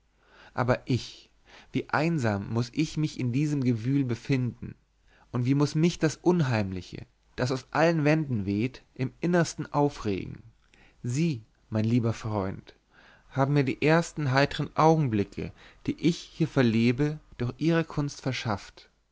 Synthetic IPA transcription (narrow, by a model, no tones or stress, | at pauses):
ʔa̰ːbɐʔɪç | v̥iːʔaɪnzaːmːʊsɪçmɪçɪndiːzəmɡəvyːlbəfɪndn̩ | ʔʊntv̥iːmʊsmɪçd̥asʔʊnɦaɪmlɪçə̰ | d̥as̬aʊsʔalənvɛndn̩veːtʔɪmʔɪnɐstn̩ʔaʊfʁḛːɡŋ̩ | ziː | maɪnliːbɐfʁ̥ɔʏnt | haːbm̩mːiːɐdḭːʔeːɐstn̩ɦaɪtəʁənʔaʊɡŋ̩blɪkʰə̰d̥iːʔɪçhiːɐfɛɐleːbəd̥ʊɐxʔiːʁ̞əkʰʊnstfɛɐʃaft